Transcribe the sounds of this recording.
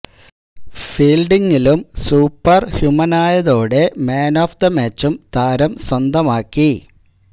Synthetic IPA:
fiːlɖiŋːilumsuːpːɐrhjumɐnaːjɐðo̞ːɽe̞meːnoːfd̪ɐmeːt͡ɕːumt̪aːɾɐmswɐnd̪ɐmaːkːi

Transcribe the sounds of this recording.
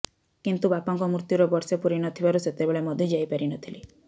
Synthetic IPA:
kint̪ubapɔŋkɔmuɾt̪juɾɔbɔɾsepuɾinɔt̪ʰibaɾuset̪ebeɭemɔd̪ʱjɔd͡ʒajpaɾinɔt̪ʰili

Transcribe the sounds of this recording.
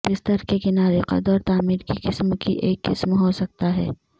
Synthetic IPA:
bɪst̪əɾkekɪnaːɾeqə̰d̪ɔːɾt̪aːmiːɾkiqɪsmkḭʔeːkːɪsmɦoːsɐk̚t̪aɦɛ̰ː

